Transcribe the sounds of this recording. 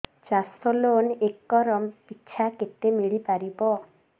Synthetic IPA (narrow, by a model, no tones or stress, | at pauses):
t͡ʃasɔlonekːɔɾɔmpitːt͡ʃʰaket̪ːemiɭipaɾibɔ